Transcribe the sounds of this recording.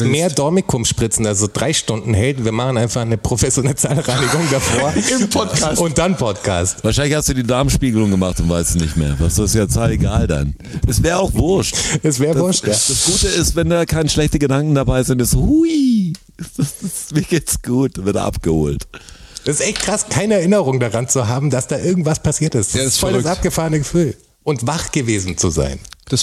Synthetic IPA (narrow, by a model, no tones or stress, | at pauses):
meːɐdɔɐmikʰʊmʃpʁ̥ɪt͡sn̩alzodʁaɪʃtʊndn̩hɛldn̩viːɐmaχn̩ʔaɪnfaχnəpʁ̥ofɛsjonɛlt͡saːlʁaɪnɪɡʊŋdafoːɐɪmpʰɔtkʰaːʊnt̚d̥anpʰɔtkʰa̰ːstvaːɐʃaɪnlɪçhastd̥uːdiːdaːɐmʃpiːɡəlʊŋɡəmaχtʊntv̥aɪstzinɪçtmḛːɐva̰sd̥uːɪstjaːt͡saːleɡaːlda̰n | ʔɛsv̥ɛːʁəaʊxv̥ʊɐʃtɛsv̥ɛːʁədvʊɐʃtjad̥asɡ̥uːtəɪstv̥ɛndaːkʰaɪnəʃlɛçtəɡədaŋkŋ̩dabaɪzɪntɪsohui̥ | ssmiːɐɡeːtsɡ̥uːt̚d̥avɪɐd̰ʔa̰pɡ̥əho̰ːltɛsɪsʔɛçt̚kʁ̥askʰaɪnəɛɐʔɪnəʁʊŋdaʁant͡suɦaːbm̩d̥asd̥aːʔɪɐɡŋ̩tv̥aspʰasiːɐtɪstd̥asfɔlsʔap̚ɡ̥əfaːʁənəɡəfyːl | ʔʊntvaχɡ̥əveːzn̩t͡suza̰ɪnd̥as